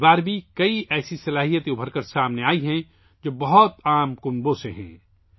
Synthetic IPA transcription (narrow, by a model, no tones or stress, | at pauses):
baːɾbʱikɐiʔɛːsisɐlaːɦijət̪obʱɐɾkəɾsaːmneaːiɦɛ̃ | d͡ʒoːbɐɦɔt̪aːmkʊmbõseɦɛ̰̃ː